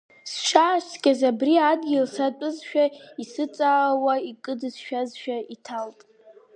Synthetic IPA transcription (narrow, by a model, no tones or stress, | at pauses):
sʃaːʃtʰɡʲazabriadɡʲɪlsat͡pʷʼɨzʃᶣaisɨt͡sʼaːwaikʼɨdɨzʃᶣazʃᶣaitʰaltʼ